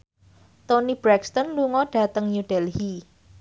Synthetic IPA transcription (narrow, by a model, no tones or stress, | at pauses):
t̪onib̥ɾɛkst̪ɔnluŋɔɖ̥a̤t̪əŋjuɖ̥ɛlhi